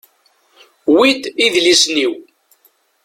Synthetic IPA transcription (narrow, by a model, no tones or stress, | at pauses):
wid̪iðlisniw